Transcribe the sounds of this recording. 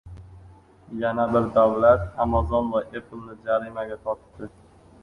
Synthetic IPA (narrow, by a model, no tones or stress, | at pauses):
janabɪɾd̪awlat̪hamazɒnvaʔeplnɪd͡ʒaɾimaɡʲat̪ʰɒt̪d̪̥ɪ